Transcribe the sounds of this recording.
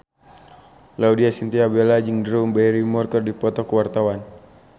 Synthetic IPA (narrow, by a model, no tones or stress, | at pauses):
laudiasint̪iabelad͡ʒɨŋdɾumbɛɾimɔrkərdipɔt̪ɔkəwart̪awan